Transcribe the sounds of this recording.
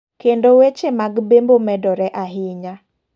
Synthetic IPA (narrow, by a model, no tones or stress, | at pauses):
kendowet͡ʃemaɡbembomɛdɔɾɛʔaɦɪɲa